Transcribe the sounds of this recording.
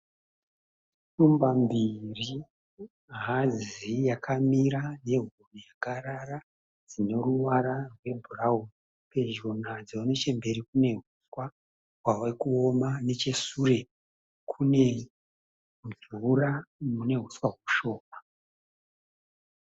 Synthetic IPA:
ʃumbambiri | ɦazijakʰamiɾane̞ɦurijaɡaɾara | d͡zino̞ruʋaɾarwe̞bʱuraɦum | pe̞ʒonad͡zionet͡ʃembe̞ɾikune̞ɦuswa | ɦwawekuomane̞t͡ʃe̞sure̞ | kʰune̞ | muzuramune̞ɦuswaɦwuʃo̞ːma

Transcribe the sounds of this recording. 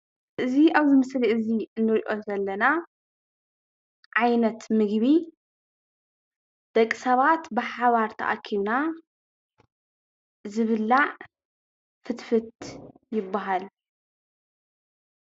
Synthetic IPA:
ʔɨziaβzɨmɨsliʔɨziɨnːɨɾʔozɐlːɐna | ʕajnɐt̪mɨɡβi | d̪̥ɐkʼːi̥sɐβat̪bɨħaβaɾt̪ʰɐ̰ʔa̰kʰina | zɨβɨlːa | fɨt̪fɨt̪ | jɪbːaɦal

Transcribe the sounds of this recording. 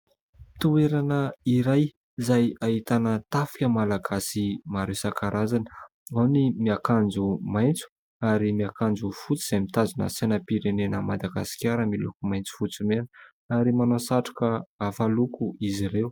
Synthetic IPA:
t̪ueɾanəiɾaj | zajait̪anət̪afi̥kʲəmalaɡasimaɾewsakaɾazanə̥ | animiakand͡zumajnt͡su̥ | aɾimiakand͡zufut͡siz̥amit̪azunə̰senəpiɾenenəmad̪aɡa̰si̥kʲaɾəmilukumajnt͡su̥fut͡sumen | aɾimanosaʈ͡ʂḁkəafalukuiziɾew

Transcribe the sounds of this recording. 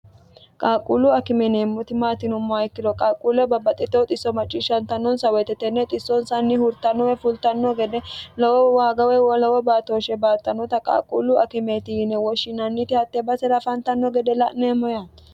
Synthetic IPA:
kʼaːkʼːulʊɐkɪmɛneːmːɔt̪ɪmaːt̪ɪnʊmːɔɐjkːɪd̪ɔkʼaːkʼulɛbɐbɐt̪ʼɪt̪ːɛt̪ʼɪsːɔmɐt͡ʃʼːiʃːɐnt̪ɐnːɔnsɐwɛt̪ːɛt̪ːɛnːɛt̪ʼɪsːɔnsɐnːɪhʊɾt̪ɐnːɔwɛfʊlt̪ɐnːɔɡɛd̪ɛlɔwɔwaːɡɐwɛwɔlɔwɔbaːt̪oːʃɛbaːt̪ːɐnːɔt̪ɐkʼa̰ːkʼːulʊɐkɪmet̪ɪɪnɛwɔʃɪnɐnːɪt̪ɪhɐt̪ːɛbɐsɛɾɐfɐnt̪ɐnːɔɡɛd̪ɛlɐ̰ʔneːmːɔjat̪

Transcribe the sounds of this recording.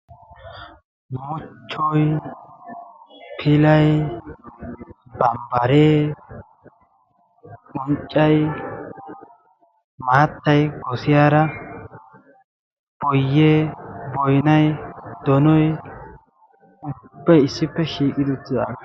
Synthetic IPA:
mːʊt͡ʃːɔj | pʰɪlɐj | bɐmbɐɾeː | kɔnt͡ʃʼːɐj | maːt̪ːɐjɡɔsɪjaːɾɐ | b̥ɔjːebɔjnɐjd̪ɔnɔj | ʊbːɐjɪsːɪpːɛʃiːkʼɪd̪ɪt̪ːɪd̪a̰ːɡɐ

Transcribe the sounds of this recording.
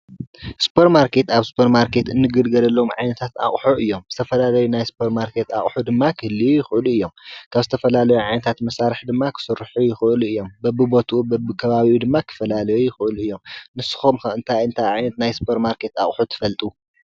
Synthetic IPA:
spʰoɾmaɾkʰe̞t̪aβspʰɐɾmaɾkʰe̞t̪ɨnːɨɡɨd̪ɡɐlɐlːɐomʕajnɐt̪ʰat̪a̰χʼħuʔɨjːo̞mz̥ɨt̪ʰɐfɐlalɐjunajspʰoɾtmaɾkʰe̞t̪a̰χʼħud̪ɨmːakʰɨhɨlːijujɪxɨʔɨluɨjːo̞mkʰaβzɨt̪ʰɐfɐlalɐjuʕajnɐt̪ʰat̪mɐsaɾɨħd̪ɨmːakʰɨ̥sɨɾħujɪxɨʔɨluɨjːo̞mbɐbːɨbo̞t̪ʰʔubɐbɨkʰɐβaβiʔud̪ɨmːakʰɨ̥fɐlalɐjujɪxɨʔɨluɨjːo̞mnɨsːɨ̥xomxɐɨnt̪ʰajɨnt̪ʰajʕajnɐt̪najspʰoɾmaɾkʰe̞t̪a̰χʼħut̪ʰɨ̥fɐlt̪ʼu

